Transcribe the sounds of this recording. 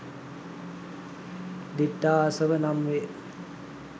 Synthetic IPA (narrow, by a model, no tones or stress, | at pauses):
d̪iʈːaːsəʋənamʋe